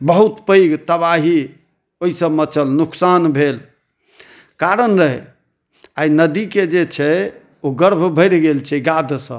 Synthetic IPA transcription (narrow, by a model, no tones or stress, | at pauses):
bəɦut̪pəjɡt̪əbaɦi | oɦisəmət͡ʃəlnuksanbʱel | kaɾənɾəɦɛ | ainəd̪iked͡ʒet͡ʃʰɛ | oɡəɾbʱbʱəjɽɡelt͡ʃʰɛɡad̪ʱsə̃